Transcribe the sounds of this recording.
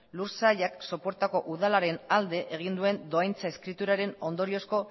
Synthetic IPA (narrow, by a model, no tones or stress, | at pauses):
luɾsajakso̞po̞ɾt̪ako̞ʔuð̞alaɾe̞nald̪e̞ʔeɣ̞ind̪ue̞nd̪o̞ajnt͡saeskɾit̪uɾaɾe̞no̞nd̪o̞ɾio̞sko̞